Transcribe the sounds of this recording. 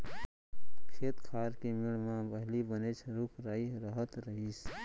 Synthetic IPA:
kʰeːt̪kʰaːɾkimɪɽmãbəɦlibənet͡ʃʰɾʊkʰɾaːiɾəɦət̪ɾəɦiːs

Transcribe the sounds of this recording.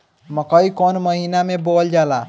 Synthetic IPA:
məkəikonməɦinamebold͡ʒala

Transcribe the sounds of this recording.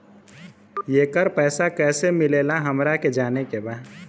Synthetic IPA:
jeːkəɾpɛːsakɛːsemɪleːlaɦəmɾaked͡ʒaːnekebaːd̪

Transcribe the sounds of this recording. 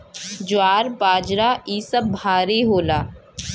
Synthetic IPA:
d͡ʒʊaːɾbaːd͡ʒɾaːʔiːsəbːʱaːɾiːɦoːlaː

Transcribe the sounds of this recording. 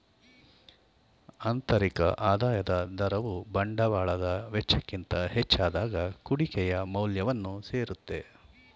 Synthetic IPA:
ɐnt̪ɐɾikɐ̰ʔaːd̪aːjɐd̪ɐd̪ɐɾɐʋubɐɳɖɐʋaːɭɐd̪ɐʋɛt͡ʃːɐkːint̪ɐhet͡ʃːaːd̪aːɡɐkuɽikɛjɐmɐwljɐʋɐnːuseːɾut̪ːe̞

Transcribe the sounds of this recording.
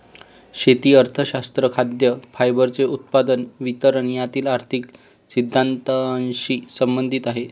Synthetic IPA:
ɕet̪iːəɾt̪ʰəɕast̪ɾəkʰad̪jəfajbəɾt͡seut̪̚pad̪ənʋit̪əɾañjat̪iːlaɾt̪ʰik | sid̪ʱːant̪ənɕiːsəmbənd̪ʱit̪aɦe

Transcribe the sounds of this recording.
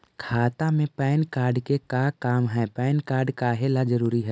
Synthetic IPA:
kʰaːt̪ãmẽpɛːnkaːɾɖkekakaːmɦɛːpɛːnkaːɾɖkaɦelad͡ʒəɾuːɾiɦɛː

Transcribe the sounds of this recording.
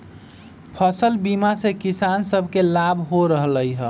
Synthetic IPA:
pʰəsəlbimasekisansəbʱkelabʱɦoɾəɦələjɦə

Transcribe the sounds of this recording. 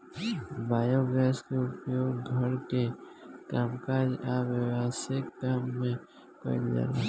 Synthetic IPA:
baːjoːɡɾɛːskeʊpjoːɡɡʱɐɾkekaːmkaːd͡ʒaʋɪwaːsɪkːaːmːẽ | kə̰ɾd͡ʒa̰ːɾa

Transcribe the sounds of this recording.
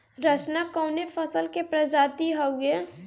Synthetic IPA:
ɾət͡ʃnakɔːnefʰəsəlkepɾəd͡ʒad̪iɦouɡe

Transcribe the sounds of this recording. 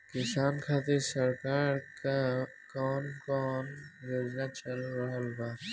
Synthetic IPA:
kɪsaːnkʰaːt̪eɾsəɾkaːɾka | kɔːnkɔːnɾoːd͡ʒnaːt͡ʃəlɾəɦəlbaː

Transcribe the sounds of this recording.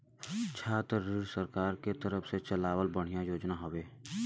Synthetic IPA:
t͡ʃʰaːt̪ːɪɽsəɾkaːɾket̪əɾəfset͡ʃəlaːwəlbəɽ̤ijãjoːd͡ʒnaɦoweː

